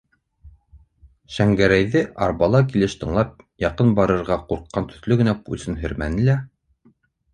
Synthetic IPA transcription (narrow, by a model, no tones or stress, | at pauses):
ʃæŋɡæɾæjðɘʔɑɾbɑlˠɑk̬ilɘʃt̪ɤ̆ɴlˠɑp̚ | jɑqɤnbɑɾɤ̆ɾʁɑquɾqːɑnt̪ɵ̥̆θlɵɡɘ̆næpulsɘnɦɘ̆ɾmænɘ̆læ